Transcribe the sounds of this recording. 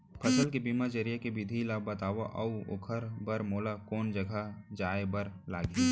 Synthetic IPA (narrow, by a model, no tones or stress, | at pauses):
pʰɐsəlkebiːmad͡ʒɐɾijakebɪd̪ʱilaːbɐt̪aːʋaʔɐuo̰kʰəɾbɐɾmoːlakoːnd͡ʒɐɡʱad͡ʒaːebəɾlaːɡi